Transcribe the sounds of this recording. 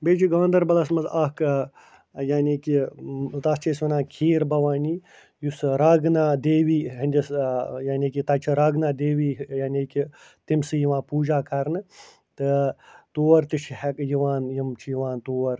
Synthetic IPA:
beːd͡ʒiɡɐʋɐnd̪ɐɾbɐlɐsmɐzaːk | jaːnʲiːkit̪ast͡ʃʰeːsʋɐnãːkʰiːɾbɐʋaːniː | jusɾaːɡnaːd̪eːʋiːɦɐnʲd̪ʲɐsjaːnʲiːkit̪ɐt͡ʃʰiɾɐːɡnaːd̪eːʋiːjaːnʲiːki | t̪imsɨjiʋãːpuːd͡ʒaːkɐɾnɨ | t̪ɨt̪oːɐɾt̪iʃʰhɐkjiʋaːnjimt͡ʃʰijiʋaːnt̪oːɐɾ

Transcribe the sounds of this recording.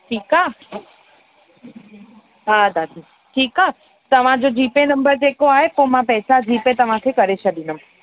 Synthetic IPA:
ʈʰiːkaː | ɦad̪ad̪ʱi | ʈʰiːkaː | t̪əʋ̤ãd͡ʒod͡ʒiːpenəmbəɾd͡ʒekoaɦepõmãpɛːsad͡ʒʱiːpet̪əʋ̤ãkʰekəɾet͡ʃʰəɗ̪inəm

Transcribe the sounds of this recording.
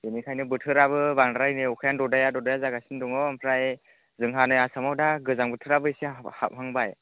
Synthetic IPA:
enikʰajnɯbɯtʰɯɾaβɯbaŋdɾajnɯukʰajandɔdajadɔdajazaɡasindɔŋɔmpʰɾaj | zɯŋɦanɯjasamawdaɡɯzaŋbɯtʰɯɾabɯisiha̰p̚haŋbaj

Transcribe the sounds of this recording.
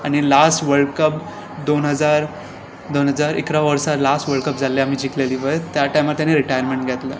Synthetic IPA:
aɽ̃ilasʈʋəɭkəp̚ | d̪onɦəd͡zaɾ | d̪onɦəd͡zaɾḭkɾaʋəɾsaɾlasʈʋəɭkəp̚d͡zʱalːeam̤iːd͡ʑikleliːʋət̪jaʈajmat̪janːiɾiʈajəɾmeɳʈɡʱet̪lə̰

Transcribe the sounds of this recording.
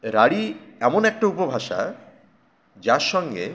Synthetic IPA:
ɾaɽiɛmonɛk̚ʈaupobʱaʃa̰ | d͡ʑaɾʃɔŋɡe

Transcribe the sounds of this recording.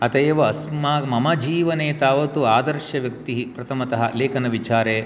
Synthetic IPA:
ɐt̪ɐjːʋɐːsmaːmɐmɐd͡ʒiːʋɐneːt̪aːʋɐt̪uaːd̪ɐɾʃɐʋjɐk̚t̪iɦipɾɐt̪ʰɐmɐt̪ɐɦɐ̰leːkɐnɐʋit͡ʃaːɾeː

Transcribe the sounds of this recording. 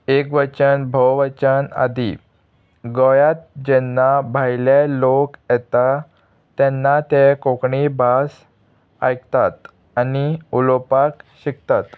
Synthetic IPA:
ekʋət͡ɕənbʱəwʋət͡ɕəna̰d̪i | ɡɔjat̪̚d͡ʑɛnːabʱajlelokjɛt̪a | t̪ɛnːat̪ekokɳibʱas | ajkt̪at̪ | aniulopakɕik̚t̪at̪

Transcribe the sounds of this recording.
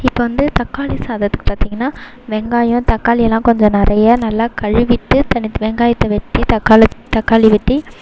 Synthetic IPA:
ɪpːoːʋɐnd̪ɯt̪ɐkːaːlisaːðɐt̪ːɯ̥kːɯ̥paːɾt̪iːŋɡɐnːaː | ʋɛŋɡaːjʊ̃t̪ɐkːaːlɪjɛlːãːkɔɲd͡ʒɔ̃nɪɾʔɐjɐnɐlːakɐɻɯʋɪʈ̪ːɯt̪ɐnɪʋɛŋɡaːjɪt̪ːɐʋɛʈːit̪ɐkːaːlɐt̪ːɐkːaːliʋɛʈːi

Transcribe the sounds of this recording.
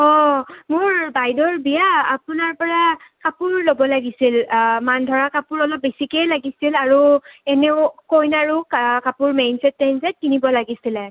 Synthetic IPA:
ɔmʊɹbajdɔɹbijaːpʊnaɹpɔɹakapʊɹlobɔlaɡisilmandʱɔɹakapʊɹɔlɔp̚besikelaɡisilaɹuɛneʊkojnaɹukkapʊɹmejnsɛtːɛnsɛt̚kinibɔlaɡisilɛ

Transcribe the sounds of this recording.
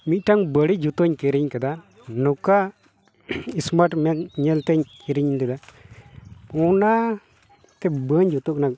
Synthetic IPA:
mitaŋbəɽid͡ʒut̪oɲkeɾiɲkəd̪a | nukːa | ismaʈmenɲelt̪eɲkiɾiɲindid̪a | una | t̪ebəɲd͡ʒut̪uknak

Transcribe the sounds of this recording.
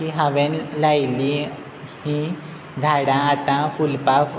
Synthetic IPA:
iɦaʋenlajli | hĩ | d͡zʱaɽãːt̪ãfulpaf

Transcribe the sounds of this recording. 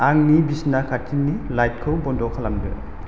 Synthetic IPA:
aŋnibisnakʰatʰinːilajt̚kʰɯwbɔndɔkʰalamdɯ̰

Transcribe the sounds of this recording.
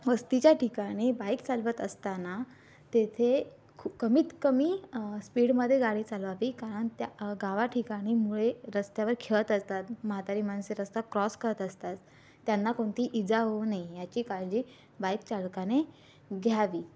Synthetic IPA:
ʋəst̪it͡ɕjaʈʰikaɽ̃ibajkt͡salʋət̪əst̪ana | t̪et̪ʰe | kʰukəmiːt̪kəmiːspiːɽməd̪ʱːjeɡaɽiːt͡salʋaʋiːkaɾəɳt̪jaɡaʋaʈʰikaɽ̃iːmuɭeɾəst̪jaʋəɾkʰeɭət̪əst̪at̪məɦat̪aɾiːmanseɾəst̪akɾɔskəɾət̪əst̪at̪ː | janːakoɳt̪iːʔid͡zaɦonajjat͡ɕiːkald͡ʑiː | bajkt͡ɕalkane | ɡʱjaʋiː

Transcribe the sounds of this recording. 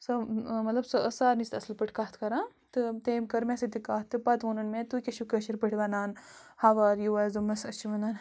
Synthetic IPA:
sɐmɐt̪lɐbsɐʔəsaːɾnist̪ɐsɨlpɨʈʰkaːt̪ʰkɐɾãː | t̪ɨt̪eːmkɐɾmesɐt̪ikaːt̪ːɨpɐt̪ʋonɐnmẽt̪ukʲeʃukɐʃiɾpəʈʰiʋɐnaːnhaʋaːɾjuʋazɨmɐsɐst͡ʃiʋɐnaːn

